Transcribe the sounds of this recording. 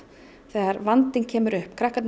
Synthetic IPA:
θɛːɣaɾvant̪ɪncʰɛːmʏɾʏhpkʰɾahkat̪n

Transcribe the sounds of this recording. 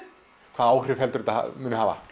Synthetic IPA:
kʰvaːðaːwr̥ɪhɛlt̪ʏɾt̪aa̰mʏːnʏɦaːva̰

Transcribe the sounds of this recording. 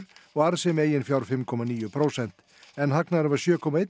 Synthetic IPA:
ɾɔaɾsemɛjɪnfjaɾfɛmkʰɔmaniːʊpʰɾosɛnt̪ | ɛnhaknaɾʋasjøːkʰɔmaɛ

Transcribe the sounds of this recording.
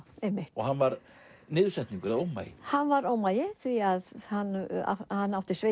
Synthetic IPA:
ejmːɪht̪ɔɣhanːvaɾ | nɪːðʏsɛht̪niŋkʏɾaðowma̰jɪ̰hanːvaɾowmajɪθviaðhanːa̰hanːawht̪ɪ̥sve

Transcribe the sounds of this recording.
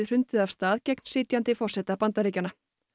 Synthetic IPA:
r̥ʏnt̪ɪðav̥st̪aːðcɛkn̥sɪːt̪jant̪ɪfɔr̥sɛt̪apant̪aɾiːcana

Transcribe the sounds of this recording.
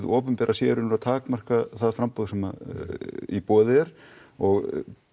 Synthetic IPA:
ðɔːpʏmpɛːɾʔasjɛːɾʏnʏɾat̪ʰaːkmar̥kaθaðfɾampɔðsɛma̰ | ipɔːðɪɛɾ̥ɔɣ

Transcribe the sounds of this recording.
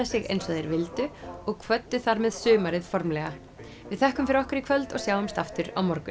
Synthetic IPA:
asɪɣḛjnsɔðejɾvɪlt̪ʏɔɣkʰvœt̪ːʏθaɾmɛðsʏːmaɾɪðfɔɾmlɛɣa | vɪðθɛhkʏmfɪɾɔhkaɾikʰvœlt̪ɔ̰ɣsjaːwʏmst̪aft̪ʏɾa̰wmɔɾkʏ

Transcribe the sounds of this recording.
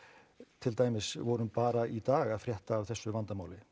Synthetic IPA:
t̪ʰɪlt̪aːjmɪsvɔɾʏʏmpaːɾait̪aːɣaðfɾjɛht̪aːvθɛsːʏvant̪amaːwlɪ

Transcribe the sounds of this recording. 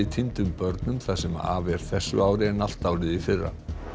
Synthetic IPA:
it̪ʰint̪ʏmpœɾt̪nʏmθasɛma̰a̰ːvɛɾ̥θɛsːʏ̰aːwɾɪɛnal̥t̪aːwɾɪðifɪrːa̰

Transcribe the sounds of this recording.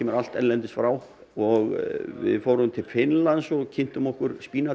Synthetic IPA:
ɛmɛɾal̥t̪ɛnlɛnt̪ɪsfɾaːw | ɔɣvɪ̰ðfoːwɾʏmt̪ʰɪlfɪnlansɔɣcʰɪn̥t̪ʏmɔhkʏɾspiːna

